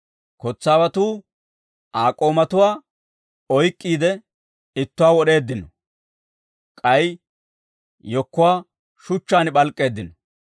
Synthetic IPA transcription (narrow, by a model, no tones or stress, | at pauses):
kɔt͡sːaːwɐt̪uː | ʔaːkʼo̞ːmɐt̪ʊwaː | ɔjkʼːiːd̪ɛ | ɪt̪ːʊwaːwɔɗe̞ːd̪ːɪnɔ | kʼɐj | jɔkːʊwaː | ʃʊt͡ʃːaːnɪɓɐlkʼːe̞ːd̪ːɪnɔ